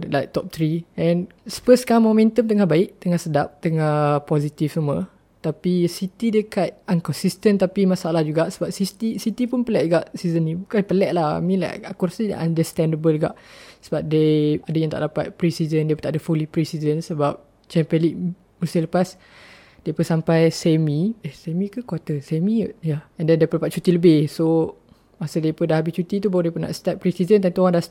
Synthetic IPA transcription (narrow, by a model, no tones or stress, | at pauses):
lajk̚t̪ɔp̚t̪ɾiʔɛ̃n | sə̥fəskamomɛ̃nt̪əmt̪əŋahbaɪʔ̚t̪əŋahsədap̚t̪əŋapɔzit̪ifsəmə | t̪apisit̪idekat̪̚ankɔnsist̪ənt̪apimasalahd͡ʒuɡaʔsəbap̚sist̪isit̪ipunpəlɛʔɡaʔsizənːĩbukanpəlɛʔ̚laha̰mĩnla̰jakɔɾsida̰ʔãndəst̪ɛ̃ndəbəlɡa̰ʔsəbap̚deadəjaŋt̪a̰ʔdapa̰t̪̚pɾisizəndepət̪aʔdəfulipɾisizənsəbap̚ | t͡ʃɛmpə̃liʔ̚ | musiləpas | d̥epəsampajsɛmiehsemĩkəkwat̪əsɛmĩuʔjaɛndɛndepədapat̪̚t͡ʃut̪iləbɪhso | masadepəndahabist͡ʃut̪it̪ubawadepuna̰ʔst̪ap̚pɾisizənt̪̬ant̪uoãŋdah